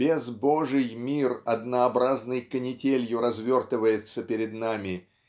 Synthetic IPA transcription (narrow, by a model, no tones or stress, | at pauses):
b̥ʲezboʐɨjmʲirɐd̪nəɐbɾaznɨjkənʲɪtʲelʲjʊɾɐzvʲo̞rt̪ɨvəjɪt̪səpʲɪɾʲɪd̪namʲɪ